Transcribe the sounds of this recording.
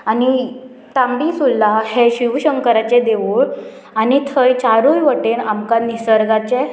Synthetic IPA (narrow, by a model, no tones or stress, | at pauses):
ani | t̪ambisulːaheɕiʋɕəŋkəɾat͡ɕed̪eʋuɭ | anit̪ʰəjt͡ɕaɾujʋəʈenamkanisəɾɡat͡ɕe